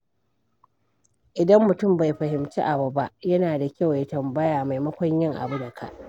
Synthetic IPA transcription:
ʔɪ˨dɐ˦mːʊ˨tʊ˦˨mba˨jɸɐ˨hɪ˨mt͡ʃḭ˦ʔa˨bu˨ba˦ʔjɐ˦naː˨da˨kʲa˦wja˦tɐ˨mbɐ˦jaː˨ma˨jmɐ˦kʷɔ˦ɲjɪ˦ŋʔa̰˨bu˦da˨kʰa̰˦˨ʔ

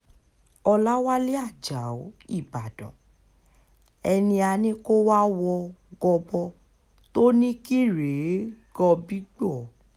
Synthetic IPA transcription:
ɔ˧la˦wa˦le˦a˦˨d͡ʒa˨o˨˦i˦˨ba˨dɔ̰̃˨ | ɛ˧nĩ˧a˧nĩ˦ko˦wa˦wɔ˧ɡɔ˧bɔ˧ | to˦nĩ˦ki˦ɾe˨˦ɡɔ˧bi˦ɡ͡bɔ˦˨˦

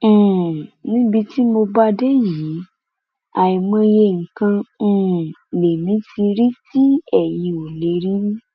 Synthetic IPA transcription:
nĩ˦bi˧ti˦mo˧ba˦dɛ˦ji˨˦ | a˨i˨mã˧je˧ŋ̩˨kã˧˦˧ | le˨mĩ˨˦ti˧ɾi˦ti˦ɛ˦˨ji˧o˨le˨˦ɾi˦i˦

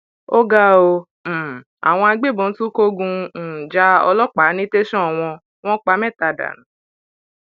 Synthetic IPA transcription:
o˦ɡa˦õ˧˨ | a̰˨w̃ɔ̃˧a˧ɡ͡be˦˨bɔ̃˨˦tũ˦ko˦ɡũ˧˨d͡ʒa˧˦ɔ̰˧lɔ˦k͡pa˨˦nĩ˦te˦ʃɔ̃˦˨w̃ɔ̃˧ | w̃ɔ̃˦k͡pa˧˦mɛ̃˦˨ta˨da̰˨nũ˨˦

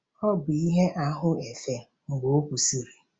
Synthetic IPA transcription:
ɔ˦bʊ˨i˦ɦe˦ʔa˦ɦʊ˦e˨fe˨ | ŋ̩˨ɡ͡bo˨o˦kʷu˨si˨ɾi˨

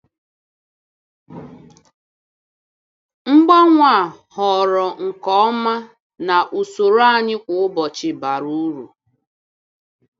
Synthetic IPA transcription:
ŋ͡m̩˦ɡ͡ba˦ŋʷa˨hɔ˨ɾɔ˨ŋ̩˨kɔ˦ɔ˦ma˦ | na˨ʔu˨so˨ɾa˦˨ɲɪ˦kʷʊ˨ʊ˦bɔ˨t͡ʃɪ˨ba˨ɾu˦ɾu˨

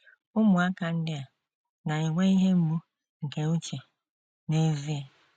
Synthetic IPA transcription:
ʊ˦mʊ˨a˦ka˨n̩˦dɪ˦a˨ | na˨ɪ˨ŋʷe˦i˦ɦe˦m̩˦mu˦ | ŋ̩˨ke˨u˦t͡ʃe˨ | ne˦vi˦a˨

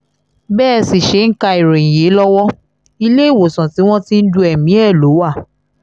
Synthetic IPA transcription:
bɛː˦˨si˨ʃe˨˦ŋ̩˦ka˧i˨ɾẽ˨n̩ĩ˨je˨˦lɔ˦wɔ˦ | i˧le˦i˦˨wo˨sã˨ti˨˦w̃ɔ̃˦ti˦n̩˦du˧˦ɛ˨mĩ˨˦ɛ˦˨lo˨˦wa˦˨

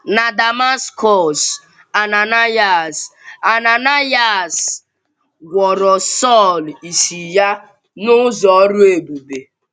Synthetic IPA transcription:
na˨da˨ma˦skɔ˦˨s | a˨na˨na˦ja˨sa˨na˨na˦ja˨s | ɡʷɔ˨ɾɔ˨sɔ˦˨li˨si˨ja˦ | nʊ˦zɔ˨˦ɾʊ˦e˨bu˨be˨

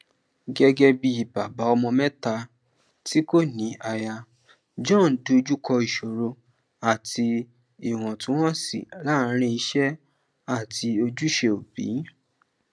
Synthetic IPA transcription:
ɡɛ˦ɡɛ˦bi˧i˨ba˨ba˨˦ɔ˧mɔ̃˧mɛ̃˦ta˧ | ti˦ko˦nĩ˨˦ʔa˧ja˧ | d͡ʒɔ̃˦˨n˨du˨˧d͡ʒu˦kʰɔ˧i˨ʃo˨ɾo˧ | a˦˨tʰi˧ | i˨w̃ɔ̃˨tũ˨˦w̃ɔ̃˦sḭ˨la˦˨˦ɾ̃ĩ˧˦i˧ʃɛ˦ | a˦˨ti˧o˧d͡ʒu˦ʃe˧o˨bḭ˨˦

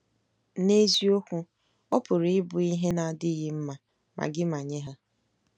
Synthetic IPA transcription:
ne˦zi˦o˦kʷu˦ | ɔ˦pʊ˨ɾɪ˦bʊ˨i˦ɦe˦na˨dɪ˦ɣɪ˦m̩˦ma˨ | mʔa̰˨ɡɪ˦ma˨ɲe˦ɦa˦

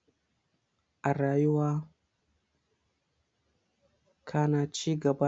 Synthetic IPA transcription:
ʔa˨ɾaː˨jʊ˦waː˦ | kʰa˦naː˨t͡ʃiː˦ɡɐ˨ba˦

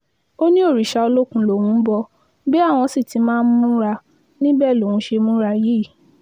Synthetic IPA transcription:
o˦nĩ˦o˦˨ɾi˨ʃa˧o˧lo˦kũ˧lo˨wũ˧˦bɔ˧ | be˦a˦˨w̃ɔ̃˧si˦˨ti˨˦mãː˦˧n̩˦mũ˦ɾa˧ | nĩ˦bɛ˦˨lo˨wũ˧˦ʃe˧mũ˦ɾa˧jiː˦˨

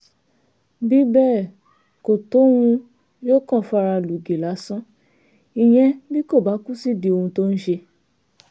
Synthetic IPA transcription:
bi˨˦bɛː˦˨ | ko˨to˨˦wũ˧ | jo˦˨kɔ̃˦˨fa˧ɾa˧lu˨ɡe˨la˨˦sɔ̃˦ | i˨j̃ɛ̃˧bi˦ko˦˨ba˨˦ku˦si˦˨di˧o˧hũ˧to˦n̩˦ʃe˧

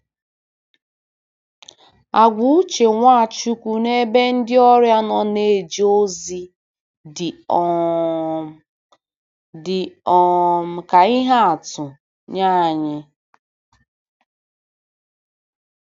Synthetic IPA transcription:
a˨ɡʷu˨u˦t͡ʃe˨ŋʷa˦˨a˨t͡ʃu˦kʷu˦ne˦be˦n̩˦dɪ˦ɔ˦ɾja˦nɔ˦ne˨d͡ʒi˦o˦zi˦ | dɪ˨ɔ˨ | dɪ˨ɔ˨m̩˨ka˨i˦ɦa˦a˨tʊ˨ | ɲa˦˨ɲɪ˦

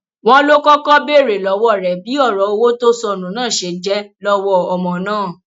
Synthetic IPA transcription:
w̃ɔ̃˦lo˦kɔ˦kɔ˦be˦˨ɾe˨lɔ˨˦wɔ˦˨ɾɛ˨bi˨˦ɔ˦˨ɾɔ˨˦o˧wo˦to˦sɔ˧˨nũ˨nãː˦˨ʃe˧˨d͡ʒɛ˨˦lɔ˦wɔ˦ɔ˨mɔ̃˨nãː˦˨

